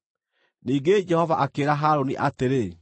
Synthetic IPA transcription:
niːɡed͡ʒɛhɔvaʔakeɾaɦaɾoniʔateɾe

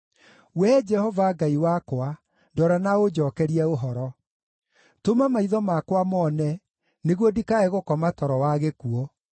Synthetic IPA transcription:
wɛd͡ʒɛhɔvaɡaiwakwa | dɔɾanaod͡ʑɔkɛɾiɛoɦɔɾɔ | tomamaiðɔmakwamɔnɛ | neɣwɔdikaɛɣokɔmatɔɾɔwaɣekuɔ

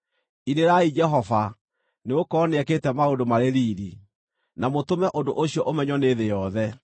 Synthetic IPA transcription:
ineɾaid͡ʒɛɦɔfa | neokɔneɛketɛmaodomaɾeɾiːɾi | namotomɛʔondoʔoɕiɔʔomɛɲɔneðejɔðɛ

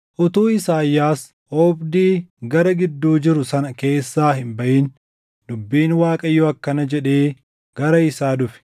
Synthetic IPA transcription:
ʔʊt̪uːɪsaːjːaːs | ʔɔːbd̪iːɡɐɾɐɡɪd̪ːuːd͡ʒɪɾʊsɐnɐke̞ːsːaːhɪmbɐʔiːn | d̪ʊbːiːnwaːkʼɐjːɔːɐkːɐnɐd͡ʒɛᶑe̞ː | ɡ̥ɐɾɐɪsaːd̪ʊfɛ̥

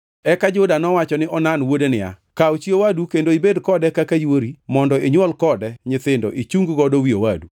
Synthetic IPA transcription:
ɛkad͡ʒʊdanɔwat͡ʃɔnɪʔɔnanwodenɪa̰ | kaot͡ʃiowadukendoibedkɔdɛkakajwoɾimɔndɔeɲwɔlkɔdɛɲɪt̪ɪndo̰ʔit͡ʃuŋɡɡɔdowiowadu

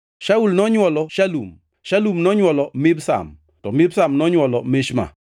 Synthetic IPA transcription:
ʃaulnɔɲwɔlɔʃalum | ʃalumnɔɲwɔlɔmɪbsa̰m | tɔmɪbsamnɔɲwɔlɔmeʃma̰

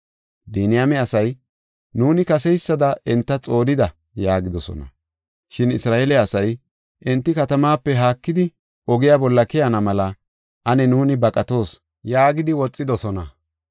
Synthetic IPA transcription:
d̪iːnɪjamɛɐsɐj | nuːnɪkɐsɛjsːɐd̪ɐʔɪnt̪ːɐt͡sʼo̞ːlɪd̪ɐ | jaːɡɪd̪ɔsɔ̰nɐ̰ | ʃɪnɪsɾaːʔeːlɛɐsɐj | ʔɪnt̪ːɪkɐt̪ɐmaːpːɛɦaːkːɪd̪ɪ | ʔɔɡɪjabɔlːɐkɛjɐnɐmɐlɐ | ʔɐnɛnuːnɪbɐkʼɐt̪o̞ːs | jaːɡɪd̪ɪwɔt͡sʼːɪd̪ɔsɔnɐ

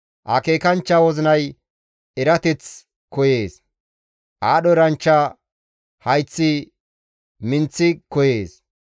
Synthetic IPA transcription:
ʔɐ̰ke̞ːkɐnt͡ʃːɐwɔzɪnɐj | ɛɾɐt̪ɛt͡s | kɔje̞ːs | ʔaːɗɔɾɐnt͡ʃːɐ | hɐjt͡sːɪ | mɪnt͡sːɪkɔjeːs

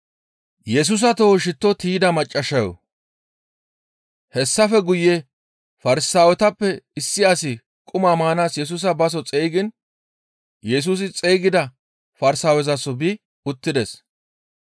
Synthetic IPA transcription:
jɛs̬ʊs̬ɐt̪oːʃɪt̪ːɔt̪iːd̪ɐmɐt͡ʃʼːɐʃɐjɔ̰ | hɛsːɐfɛɡʊjːe | fɐɾɪsaːwɛt̪ɐpːɛɪsːɪasɪ | kʼʊmamaːnaːsjɛs̬ʊs̬ɐbɐs̬ɔt͡sʼejɡɪn | jɛs̬uːs̬ɪt͡sʼejɡɪd̪ɐ | fɐɾɪsaːwɛzɐsɔbi | ʊt̪ːɪd̪ɛs

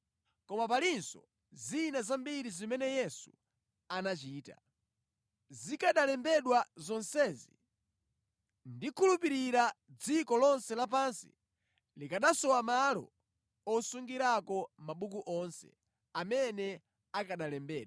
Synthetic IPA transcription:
kɔmap̬alinsɔ̰ | zinazambiɾizimɛnɛjɛsu | anat͡ʃiːta̰ | zikaɗalɛmbɛɗwazɔnsɛːzi | ndikʰulupiɾiɾad͡zikɔlɔnsɛlap̬ansḭ | likaɗasɔwamalɔ̰ | ɔsuŋɡiɾakɔmaɓukuʔɔnsɛ̰ | amɛnɛ | akaɗalɛmbɛːɗ

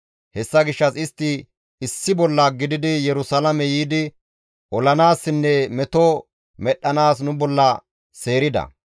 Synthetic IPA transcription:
hɛsːɐɡɪʃːɐsɪst̪ːɪ | ɪsːɪbɔlːɐɡɪd̪ɪd̪ɪjɛɾʊsɐlɐmɛjiːd̪ɪ | ʔɔlɐnaːsːɪnːɛmɛt̪ɔ | mɛɗːɐnaːsnʊbɔlːɐ | seːɾɪd̪ɐ̰

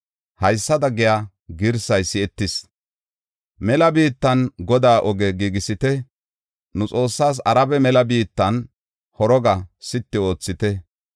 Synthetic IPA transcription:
hɐjsːɐd̪ɐɡɪja | ɡɪɾsɐjsɪɛt̪ːɪs | mɛlɐbiːt̪ːɐnɡɔd̪aːʔɔɡɛɡiɡɪsɪt̪ɛ | nʊt͡sʼo̞ːsːaːs̬ɐɾɐbɛmɛlɐbiːt̪ːɐn | hɔɾɔɡɐsɪt̪ːɪo̞ːt͡sːɪt̪ɛ

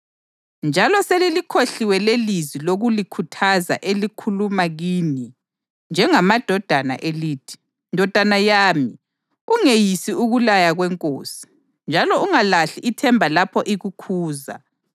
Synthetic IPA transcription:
nd͡ʒʱalɔselilikʰoɬiwɛleliziloɣulikʰutʰaza̰ʔelikʰulumaɣiːni | nd͡ʒʱɛŋamad̥ʱɔd̥ʱana̰ʔeliːtʰi̥ | ndʱɔd̥ʱanajaːmi | uŋejisiuɣulajaɣwɛŋkʼoːsi̥ | nd͡ʒʱalɔuŋalaɬiʔitʰɛmbʱalapʰɔʔiɣukʰuːza̰

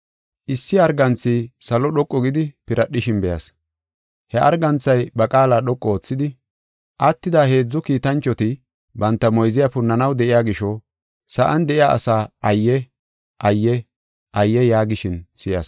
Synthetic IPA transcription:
ʔɪsːɪɐɾɡɐnt͡sːɪsɐlɔɗɔkʼːɔɡɪd̪ɪpɪɾɐɗːɪʃɪnbɛjɐ̰s | hɛʔɐɾɡɐnt͡sːɐjbɐkʼaːlaːɗɔkʼːɔoːt͡sːɪd̪ɪ | ʔɐt̪ːɪd̪ahe̞ːd͡zːɔkiːt̪ɐnt͡ʃːɔt̪ɪ | bɐnt̪ːɐmɔjzɪjapʊnːɐnɐwd̪ɛʔɪjaːɡɪʃɔ | sɐʔɐnd̪ɛʔɪjaːʔɐ̰saːɐjːɛ | ʔɐjːɛ | ʔɐjːɛjaːɡɪʃɪnsɪjɐ̰s

